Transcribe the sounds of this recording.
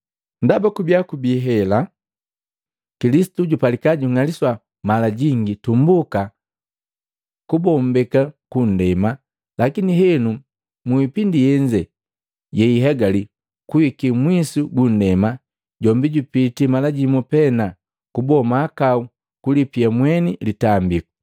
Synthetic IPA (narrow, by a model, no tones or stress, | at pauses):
ndabakubjakubiɦɛla | kilisi̥tuɟupalikaɟuŋaliswa | malaɟiŋɡitumbuka | kubɔmbɛkakun̩dɛma | lakiniɦɛnu | muipindijɛɲd͡ʒɛ | jɛiɦɛɡali | kuwikimwisuɡun̩dɛma | ɟɔmbiɟupitimalaɟimupɛna | kubɔmaːkau | kulipiamwɛnilitambiku̥